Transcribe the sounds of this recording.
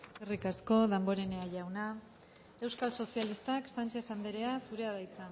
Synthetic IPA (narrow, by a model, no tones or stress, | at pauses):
erikasko̞ðambo̞ɾe̞ne̞aʝawna | e̞wskalso̞sialist̪aksant͡ʃe̞θand̪eɾe̞asuɾe̞að̞ajt͡sa